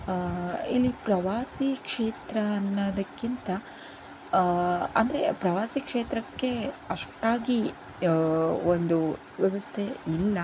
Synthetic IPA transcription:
ilːipɾɐʋaːsikʂeːt̪ɾɐːnːɐd̪ɐkːint̪ɐ | ɐ̰nd̪ɐɾe̞pɾɐʋaːsikʂeːt̪ɾɐkːe̞ɐʂʈaːɡi | ond̪u | ʋjɐʋɐst̪ʰeilːɐ

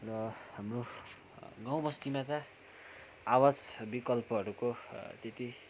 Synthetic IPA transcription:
rʌhamro | ɡaw̃bʌst̪imat̪ʌ | awat͡sbikʌlpʌɦʌɾukot̪et̪i

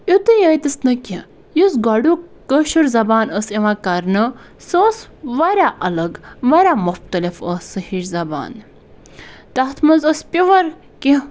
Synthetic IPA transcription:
ut̪ɨjəjt̪isnɐkʲi | jusɡɐɖuːkəʃuɾzɐbaːnəsiʋãːkɐɾnɨ | səsʋɐɾʲaʔɐlɐɡʋɐɾʲaːmʊxt̪ɐlifəsɨhiɾzɐba̰ːn | t̪ɐht̪ʰmɐnzəspʲiʋɐɾ | kĩ

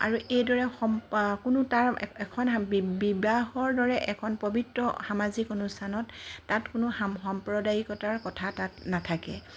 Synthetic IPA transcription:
a̰ɹuʔejdɔɹɛxɔmkʊnʊtaɹɛkʰɔnbibahɔɹdɔɹɛʔɛkʰɔnpobitɹɔxamazikɔnustʰanɔtːatkʊnʊxxɔmpɹɔdajikɔtaɹkɔtʰatatnatʰakɛ̰

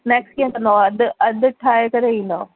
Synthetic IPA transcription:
neːkskĩə̃kɐ̃nd̪oɐd̪ɐd̪ʈʰaːekɐɾeʋĩːn̆d̪o̰ː

